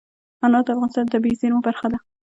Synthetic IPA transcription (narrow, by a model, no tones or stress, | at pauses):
anɑd̪əafɣɑnɪst̪ɑnt̪abizeɾmobaɾxad̪a